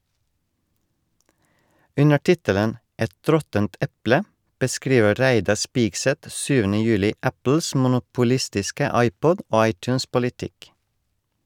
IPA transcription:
ˈʉnə ˈʈɪtələn ˈɛt ˈɾɔtənt ˈɛplə bəˈskɾiːʋə ˈɾæɪdɑɾ ˈspɪɡsɛt ˈsyːʋənə ˈjʉːlɪ ˈæpl̩s mʊnʊpʊˈlɪstɪskə ˈɑɪˌpɔd ˈoː ˈɑɪˌtʉːns pʊlɪˈtɪk

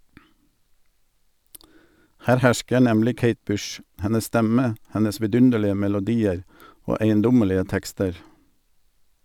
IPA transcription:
ˈhæːɾ ˈhæʃkə ˈnɛmlɪ ˈkeɪt ˈbʉʃ ˈhɛnəs ˈstɛmə ˈhɛnəs ʋɪˈdʉndəlɪə mɛlʊˈdiːəɾ ˈoː æɪənˈdʊməlɪə ˈtɛkstəɾ

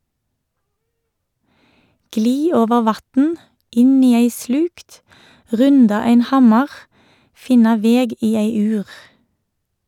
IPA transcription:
ˈɡliː ˈoːʋəʁ ˈʋɑtn̩ ˈɪn ˈiː ˈæɪ ˈslʉkt ˈʁʉndɑ ˈæɪn ˈhɑmɑʁ ˈfɪnɑ ˈʋeːɡ ˈiː ˈeɪ ˈʉːʁ

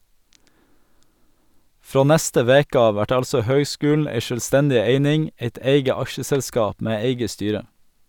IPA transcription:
ˈfɾoː ˈnɛstə ˈʋeːkə ˈɑːʋ ˈʋæʈ ˈɑlsɔ ˈhœʏˌskʉːln̩ ˈæɪ ʃœlˈstɛndɪ ˈeɪnɪŋ ˈeɪt ˈeɪɡə ˈɑʃəsɛlˌskɑːp ˈmeː ˈeɪɡə ˈstyːɾə

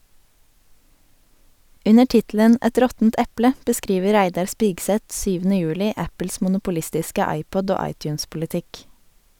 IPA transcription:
ˈʉnə ˈʈɪtl̩ən ˈɛt ˈɾɔtn̩t ˈɛplə bəˈskɾiːʋə ˈɾæɪdɑɾ ˈspɪɡsɛt ˈʃyːʋn̩ə ˈjʉːlɪ ˈæpl̩s mʊnʊpʊˈlɪstɪskə ˈɑɪˌpɔd ˈoː ˈɑɪˌtjʉːnspʊlɪˌtɪk

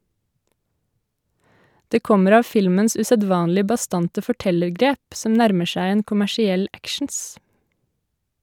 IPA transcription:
ˈdeː ˈkɔməɾ ˈɑː ˈfɪlməns ʔʉsəˈdʋɑːnlɪ bɑˈstɑntə fɔˈʈɛləɾˌɡɾeːp ˈsɔm ˈnæɾmə ˈʃæɪ ˈeːn kʊmæʃɪˈɛl ˈækʃɳ̩s

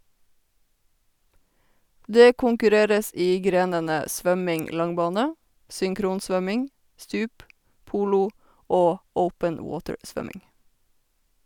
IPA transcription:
ˈdeː kʊŋkʉˈɾeːɾəs ˈʔiː ˈɡɾeːnənə ˈsʋœmɪŋ ˈlɑŋˌbɑːnə sʏŋˈkɾuːnˌsʋœmɪŋ ˈstʉːp ˈpuːlʊ ˈoː ˈəʊpən ə ˈwoːtəɹ ˈsʋœmɪŋ

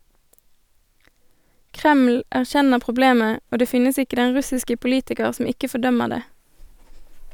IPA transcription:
ˈkʁɛml̩ æʁˈçɛnəʁ pʁʊˈbleːmə ˈoː ˈdeː ˈfɪnəs ˈɪkə ˈdɛn ˈʁʉsɪskə pʊˈliːtɪkəʁ ˈsɔm ˈɪkə fɔˈdœməʁ ˈdeː

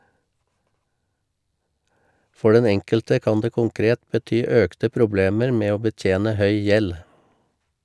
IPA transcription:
ˈfɔ ˈɖɛn ˈɛŋkəltə ˈkɑːn ˈdeː ˈkʊŋˌkɾeːt bəˈtyː ˈœktə ˈpɾʊˌbleːməɾ ˈmeː ˈoː bəˈtjeːnə ˈhœʏ ˈjɛl

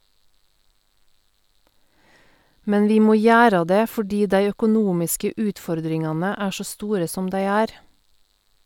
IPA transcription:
ˈmɛn ˈʋiː ˈmoː ˈjæːɾə ˈdeː fɔˈɖiː ˈdæɪ œkʊˈnuːmɪskə ˈʉːtˌfɔɾdɾɪŋɑnə ˈæː ˈʃoː ˈstuːɾə ˈsɔm ˈdæɪ ˈæːɾ

